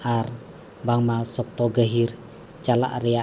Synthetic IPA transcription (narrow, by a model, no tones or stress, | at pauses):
ʔar | baŋmasɔk̚t̪ɔɡəɦir | t͡ʃala̰ʔria